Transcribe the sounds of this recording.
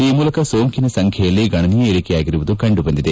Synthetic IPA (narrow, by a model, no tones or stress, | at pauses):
iːmuːlɐkɐso̞ːŋkinɐsɐŋkʰɛjɐlːiɡɐɳɐnijɐeɽikɛjaːɡiɾuʋud̪ukɐɳɖubɐnd̪id̪e